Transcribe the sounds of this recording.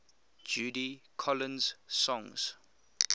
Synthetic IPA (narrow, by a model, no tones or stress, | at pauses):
d͡ʒuːdikʰɔlə̃nz̥sɔ̃ŋz̥